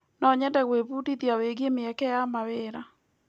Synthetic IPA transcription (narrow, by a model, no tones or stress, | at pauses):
nɔɲɛndɛɣweβudiðjaweɣemeɛkɛjamaweɾa